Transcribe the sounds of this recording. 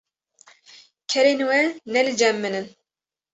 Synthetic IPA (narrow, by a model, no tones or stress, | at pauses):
kʰɛɾenwɛnɛlɨd͡ʒɛmːɨnɨn